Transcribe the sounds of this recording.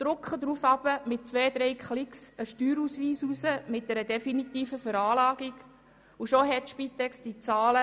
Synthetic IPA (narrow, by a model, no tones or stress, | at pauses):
d̪̥ɾʊkχəd̪ɾuːfɑb̥əmɪt̚t͡sʋɛːd̪ɾɛɪkχlɪksəʃtyːɾusʋiːsusəmɪt̚d̥̪ɛɾədɛfinitiːfəfəɾɑːlɑːɡ̥iɡ̥ | uʃoɦɛtʃpit̪ɛksd̥it͡sɑːlə